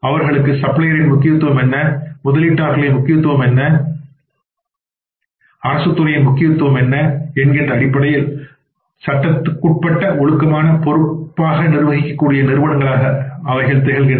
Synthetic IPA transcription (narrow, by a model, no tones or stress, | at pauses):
ɐʋɐɾɣɐɭɯkːɯsɐpɭɐjɐɾɪnmʊkːɪjɐt̪ːɯʋɐmɛnːɐmʊðɐliʈːaːɾɣɐɭemʊkːɪjɐt̪ːɯʋɐmɛnːɐ | ɐɾɐsɯt̪ːɯɾɐjɐmʊkːɪjɐt̪ːɯʋɐmɛnːɐɛnɡɪndrɐːɽɪpːɐɽɐjɪl | sɐʈːɐt̪ːɯkːʊʈ̚pɐʈːɐʔɔɭɯkːɐmaːnɐpɔɾɯppːaːɣɐnɪɾɯʋɐɣɪkːɐkːuːɽɪjɐnɪɾɯʋɐɽɐŋɡɐɭaːɣɐɐʋɐɪɣɐɭt̪ɛɣɐlɣɪɳ